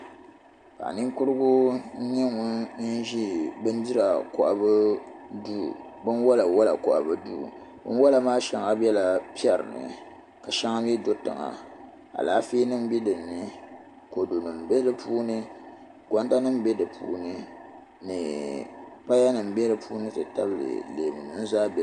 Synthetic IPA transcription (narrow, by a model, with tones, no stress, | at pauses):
ka̰˨ni˦ŋkʊ˦ɾɨ˦ɡʊ˦n̩˦ɲɛ˦ŋʊ˦n̩˦ʒi˦bɨ˦ndɨ˦ɾa˨kɔ˨ʔa̰˨bɨ˦du˦˨ | bɨ˦nwɔ˦la˨wɔ˦la̰˨kɔ̰˨ʔa̰˨bɨ˦dṵ˦˨ | bɨ̰˦n˦wɔ˦la˨maː˦ʃɛ˨˦ŋa˦bɛ˦la˨pi˦ɛ˨ɾɨ̰˨nɨ̰˨ | ka˨ʃɛ˦ŋa˦m˦i˦do˦tɨ̰˨ŋa̰˨ | a̰˨laː˦fiː˦nɨ˦m˦bi˦dɨ˨nː˨ɨ˦ | ko˨do˨nɨ˨m˨bɛ˦dɨ˦pʰuː˦nɨ˦ | kɔ˦n˦ta˦nɨ˦m˦bɛ˦dɨ˨pṵː˦nɨ˦ | nɨ˨ | pa˦ja˦nɨ˨m̩˨bɛ˦dɨ˨pʰuː˦nɨ˦tɨ˨ta˦bɨ˦˨lɨ̰˨leː˨mɨ˨nɨ˨n̩˦zaː˦bɛ˦˨